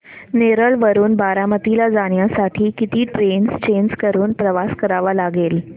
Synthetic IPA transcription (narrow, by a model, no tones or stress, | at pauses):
neɾəɭʋəɾuːnbaɾamət̪ilad͡zaɽ̃jasaʈʰiːkit̪iːʈɾenst͡ɕenskəɾuːnpɾəʋaskəɾaʋalaɡel